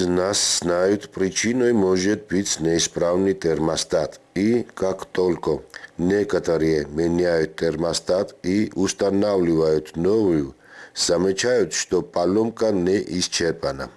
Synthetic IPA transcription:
znasːnajut̪ʰpʼɾit͡ʃʰinɔjmɔʒɛt̪̚bɨt͡sʰnɛispʼɾavnɨt̪ʼɛɾmast̪ʼat̪ʼikʼakt̪ʼɔlʲkʼɔnɛkət̪ʼəɾijɛmɛnajut̪t̪ːɛɾmast̪ʼat̪ʼiust̪ʼanavlivajut̪ʰnɔvuju | z̥amɛt͡ʃʰajut̪ʃt̪ɔpʼalɔmkʼanɛʔist͡ʃʰɛɾpʼana̰

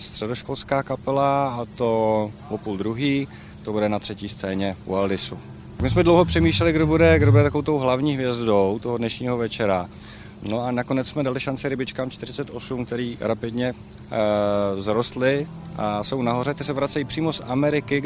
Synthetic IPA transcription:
st̪r̥ɛdo̞ʃko̞lskaːkapɛlaat̪o̞opuːld̪ɾuɦiː | t̪obudɛnat̪r̝̥ɛciːst̪t͡sɛːɲɛʔṵaldɪsu | t̪akmɪsmɛdlowɦo̞pr̥ɛmiːʃlɛlɪɡdobudɛɡdobudɛt̪akoowt̪o̞wɦlavɲiːɦvjɛzdowt̪o̞ɦodnɛʃɲiːɦovɛt͡ʃɛɾa | no̞anako̞nɛt͡ssmɛdalɪʃant͡sɪɾɪbɪt͡ʃkaːmt͡ʃt̪ɪɾɪt͡sɛt̪ʔo̞sumk̚t̪ɛɾiːɾapɪdɲɛ | zɾo̞st̪lɪʔaso̞wnaɦo̞ɾɛt̪ɛsɛvɾat͡sɛjiːpr̝̥iːmo̞samɛɾɪkɪ

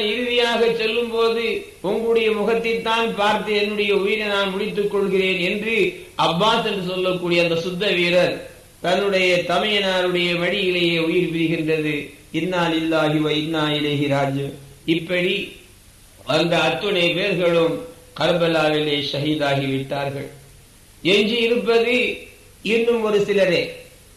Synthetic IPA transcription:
aːnɪɾɪʋɪjaːɣɐt͡ʃːɛlːɯmpoːðɯ | ʊŋɡɐɭɯɽɐjɐmʊɣɐt̪ːɪt̪ːaːnpaːɾt̪ɯɛnːɯɽɐjɐʊjɪɾɐnaːnmʊɽɪt̪ːɯkːɔɭɣɪreːnɛndrɯ | ʔɐbːaːsɛndrɯsɔlːɐkːuːɽijɐnd̪ɐsʊd̪ːɐʋiːɾɐɾ | t̪ɐnːɯɽɐjɐt̪ɐmɐjɐnaːɾɯɽɐjɐʋɐɽɪjɪlɐjeːʊjɪɾpɪɾɯɣɪndrɐðɯ | ɪnːaːlɪlːaːɣɪʋɐɪnːaːjɪlɐɣɪɾaːd͡ʒɐmɪpːɐɽi | ʔɐnd̪ɐːt̪ːɯɳɐɪpeːɾɣɐɭɯm | kɐɾbɐlaːʋɪleːʃɐɦiːðaːɣiʋɪʈːaːɾɣɐ̰ɭ | ɛɲd͡ʒiɪɾɯpːɐðɯ | ɪnːɯmɔɾɯsɪlɐɾe

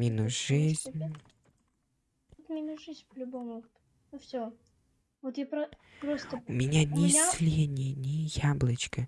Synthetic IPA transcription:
mʲinuʒɨzʲnʲ | ot̪mʲinʊʐɨzʲnʲpəlʲʊbomʊ | nʊfsʲo | vot̪japɾɐ | pɾosəʊmʲɪnʲanʲɪasʲlʲenʲɪjnʲɪjablˠət͡ɕkə

